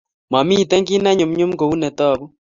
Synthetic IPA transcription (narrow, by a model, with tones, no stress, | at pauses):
ma˨mi˦˨tɛ˦ŋɡi˦na˦ɲo˨m̩˦ɲo˦m̩˦ɡo˨u˦nɛ˨ta˦˨βu˦